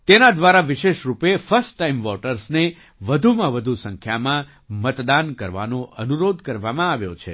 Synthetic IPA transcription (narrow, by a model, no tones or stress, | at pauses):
t̪enad̪ʋaɾaʋɪʃeʃɾupefəɾsʈːaimʋɔʈəɾsne | ʋəd̪ʱumãʋəd̪ʱusə̃ŋkʰjamã | mət̪d̪ankəɾʋa̰nõʔənuɾod̪ʱkəɾʋamãaʋjo̰t͡ʃʰḛ